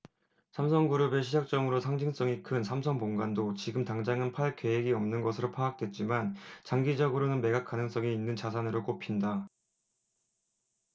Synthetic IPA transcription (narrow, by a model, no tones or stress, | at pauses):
sʰamsʰʌŋɡuɾɯbe̞ɕ̬ʰid͡ʑak̚t͡ɕ͈ʌŋɯɾosʰaŋd͡ʑʰiŋs͈ʌŋikʰɯnsʰamsʰʌŋpoŋɡandot͡ɕiɡɯmtaŋd͡ʑaŋɯnpʰaɭk͈e̞ɦeɡiʌmnɯnɡʌsʰɯɾopʰaak̚t͈wet̚t͡ɕ͈imant͡ɕaŋɡid͡ʑʌɡɯɾonɯnme̞ɡak͈anɯŋs͈ʌŋiinːɯnt͡ɕas̬ʰanɯɾok͈opʰinda